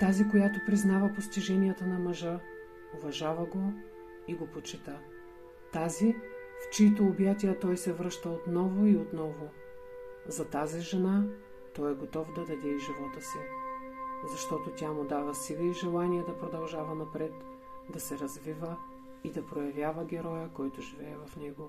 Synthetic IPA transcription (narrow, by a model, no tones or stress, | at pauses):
t̪azikojat̪opɾiznavɐpost̪iʒɛnijət̪ənɐmɐʒə | ovɐʒavəɡo | iɡopot͡ʃɛt̪ə | t̪azift͡ʃiit̪oːbjat̪iət̪ɔjsɛvɾɤʃt̪əot̪nɔvʊiot̪nɔvo | zɐt̪aziʒɛna | t̪ɔjɛɡot̪ɔfd̪ɐd̪ɐd̪ɛiʒivɔt̪əsi | zɐʃt̪ɔt̪ot̪ʲjamʊd̪avɐsilˠiiʒɛlˠaniɛd̪ɐpɾod̪ɐlˠʒavɐnɐpɾɛt̪ | d̪ɐsɛɾɐzvivə | id̪ɐpɾojɐvjavəɡʲɛɾɔjəkɔjt̪ʊʒivɛːvɐfnɛɡo